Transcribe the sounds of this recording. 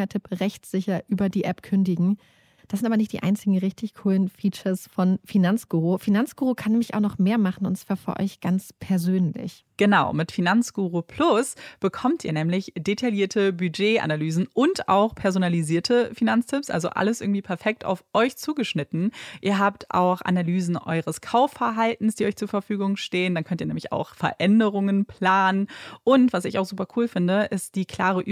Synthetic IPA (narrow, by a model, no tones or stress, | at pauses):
ɐtʰɪpʁɛçtz̥ɪçɐʔyːbɐdiːʔɛpkʰʏndɪɡŋ̩ | d̥aszɪntaːbɐnɪçtd̥iːʔa̰ɪnt͡sɪɡŋ̩ʁɪçtʰɪçkʰuːlənfiːt͡ʃɐsfɔnfinant͡sɡ̥uːʁofinant͡sɡ̥uːʁokʰanːɛːmlɪçaʊxnɔχmeːɐmaχn̩ʊ̰ntt͡sv̥aːɐfyːɐʔɔ̰ʏçɡ̥ant͡spʰɛɐzøːnlɪ̰ç | ɡ̥ənaʊmɪtfinant͡sɡ̥uːʁopʰl̥ʊsb̥əkʰɔmtʔiːɐnɛːmlɪçd̥etʰaljiːɐtʰəbyd͡ʒeːʔa̰nalyːzn̩ʔʊnta̰ʊxpʰɛɐzonaliziːɐtʰəfinant͡stʰɪpsʔa̰lzo̰ʔa̰ləsʔɪɐɡŋ̩tiːpʰɛɐfɛk̚ta̰ʊfʔɔʏçt͡suːɡəʃnɪtn̩ʔiːɐɦaːptʰʔa̰ʊxʔa̰nalyːzn̩ʔɔ̰ʏʁəskʰaʊfɛɐɦaltn̩sd̥iːʔɔʏçt͡suːɐfɛɐfyːɡʊŋʃteːəndankʰœntiːɐnɛːmlɪça̰ʊxfɛ̰ɐʔɛndəʁʊŋənpʰl̥aːnənʔʊntv̥asɪça̰ʊxzuːpɐkʰuːlfɪndəʔɪst̚d̥iːkʰl̥aːʁ̞əʔ